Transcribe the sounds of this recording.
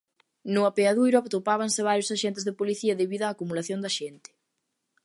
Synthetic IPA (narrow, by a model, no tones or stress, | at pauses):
nʊapeaðujɾʊapt̪opaβ̞anseβ̞aɾjosaʃent̪ezðepoliθiɐðeβiðoaːkumulaθjond̪ɐʃɛnt̪ɪ̥